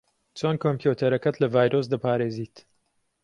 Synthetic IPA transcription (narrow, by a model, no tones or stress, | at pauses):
t͡sʰonkʰoːmpjut̪ʰɐɾɐkɐt̪lɐvaːjɾos̬d̪ɐpaːɾeːziːt̪